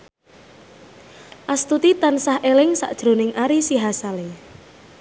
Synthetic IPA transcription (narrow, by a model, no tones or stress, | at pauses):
ʔast̪ut̪it̪ansahʔelɪŋsa̰ʔd̥ʒ̥ɾo̤nɪŋʔaɾisiɦasale